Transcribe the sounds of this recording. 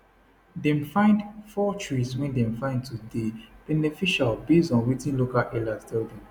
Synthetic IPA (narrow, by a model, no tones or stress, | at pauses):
dɛ̃mfãɪ̃ndfɔt͡ʃɹiswɛ̃ndɛ̃mfãɪ̃nd̚tudeb̥ɛnɛfiʃalbezɔ̃nɹitĩnlokalʔɛlastʰɛldɛ̃m